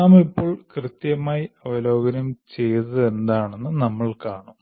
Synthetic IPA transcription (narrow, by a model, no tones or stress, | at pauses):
nɐmipːo̞ːɭkrɨt̪jɐmaːjiɐʋɐlo̞ːɡɐnɐmt͡ɕe̞jt̪ɨðe̞nd̪aːɳenːɨnɐmːɐɭkaːɳu